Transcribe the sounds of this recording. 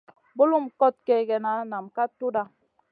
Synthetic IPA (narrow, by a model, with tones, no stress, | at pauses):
bu˦lu˦m˨kɔ˦t̚kɛ˨ɡɛ˨na˨˦na˨mka˦tu˦da˦